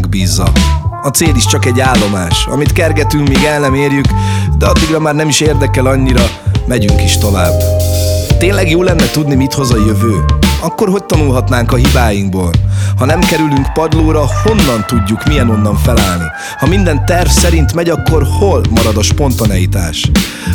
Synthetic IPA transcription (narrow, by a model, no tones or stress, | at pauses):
ɡbiːzːɒ̰ɒt̪seːliʃt͡ʃɒkɛɟːaːlːo̞maːʃɒ̰mit̪kɛrɡɛt̪yŋkmiːɡɛlnɛmeːrjykd̪ɛɒd̪ːiɡrɒmaːrnɛmiʃeːrd̪ɛkɛlɒɲːiɾɒmɛɟyŋkiʃt̪o̞va̰ːbː | t̪eːnlɛɡjoːlːɛnːɛt̪ud̪nimit̪ho̞zɒjøvøːɒkːo̞rɦo̞c̚t̪ɒnulɦɒt̪naːŋkɒɦibaːjiŋɡboːlhɒnɛmkɛɾylyŋkpɒd̪loːɾɒho̞nːɒnt̪uɟːukmijɛno̞nːɒɱfɛlaːlnḭ | hɒmind̪ɛnt̪ɛrfsɛɾint̪mɛɟɒkːo̞rholmɒɾɒd̪ɒʃpo̞nt̪ɒnɛjit̪a̰ːʃ